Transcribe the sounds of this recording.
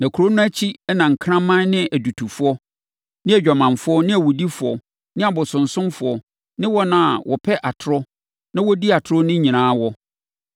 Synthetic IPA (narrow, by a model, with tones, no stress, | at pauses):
nã˨kʰu˨ɾo˦nʊ̃˦æ˦t͡ɕʰi˦ɛ˦nã˨ŋ̩˨kʰɾã˦mã˦n˦nɪ̃˦ʔæ˨du˨tʰu˨fʊ˦ɔ˦ | nɪ̃˦æ˨d͡ʑᶣa˨mã˨nfʊ˦ɔ˦nɪ̃˦æ˨wɔ˨di˦fʊ˨ɔ̰˨ | nɪ̃˦a˨bɔ˨sʊ̃˨n̩˨sʊ̃˦mfʊ˨ɔ˨ | nɪ̃˦wɔ˦nã˨a̰˨wʔɔ̰˨pʰɛ˦ʔa˨tʰʊ˨ɾɔ˦ | nã˦wɔ˦di˦a˨tʰʊ˨ɾɔ˦nɪ̃˦ɲĩ˨nãː˨˦wɔ˦